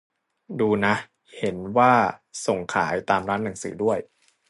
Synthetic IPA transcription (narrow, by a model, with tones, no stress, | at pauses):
duː˧na˦˥ʔ | he˩˦nwaː˥˩so˨˩ŋkʰa̰ː˩˦jt̪aː˧mɾaː˦˥nna˨˩˦ŋsɯ̰ː˩˦du˥˩əj